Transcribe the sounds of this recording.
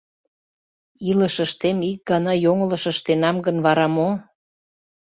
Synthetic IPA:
iləʃəʃt̪emik̚ɡɑnɑjoŋələ̆ʃə̆ʃt̪enɑmɡənβɑɾɑmo

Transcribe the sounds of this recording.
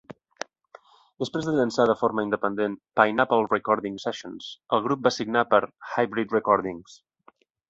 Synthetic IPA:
d̪əspɾezðəʎənsaðəfoɾməind̪əpənd̪enpajnapəlˠrəkɔɾðiŋsɛʃonsəlˠɣɾup̚basiɡnapəɾxajbɾit̪rəkɔɾðiŋs

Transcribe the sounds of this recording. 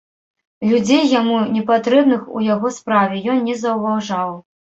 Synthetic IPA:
lʲud͡zʲejːamunʲɛpat̪ɾɛbnɨxṵjaɣɔspɾavʲɛjɔnːʲɛzɐwvawʐaw

